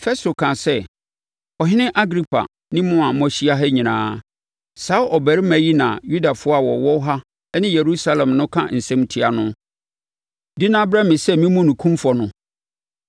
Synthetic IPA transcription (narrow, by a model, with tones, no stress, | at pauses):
fɛ˦sto˨kʰã˨sɛ˦ | ɔ˨ɦɪ˦nɪ̃˦ʔa˦ɡɾi˦pʰa̰˨ | nɪ̃˦mʊ̃˦ã˨mɔ̃˦ɕi˦a˦ɦɛ˦ɲĩ˨nã̰ː˨˦ | saː˨˦ʔɔ˨bæ˨ɾɪ˦mæ̃˨ji˦nã˨ju˦da˨fʊ˦ɔ˦a˨wɔ˨wɔ˦ɦa˦ | nɪ̃˦je˨ɾu˦sa˦lɛ̃˨mnʊ̃˦kʰã̰˦n̩˨sɛ̃˦mtʰi˦a˨nʊ̃˦ | dɪ˦nã˦bɾɛ˦mɪ̃˨sɛ˦mĩ˦mũ˦nũ˨kʰũ˦mfɔ˨nʊ̃˦